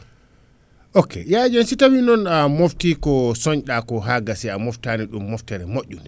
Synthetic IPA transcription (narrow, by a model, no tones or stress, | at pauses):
ʔokːɛ̰jad͡ʒɔnsitawinɔnamoftikɔsɔɲɗakɔɦaɡasiamɔftaniɗumːɔftɛɾɛmoʔːunɛ